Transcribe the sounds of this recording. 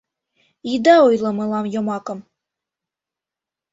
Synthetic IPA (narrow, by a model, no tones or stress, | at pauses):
id̪ɑojlˠɤ̆mɤlˠɑmjomɑkɤ̆m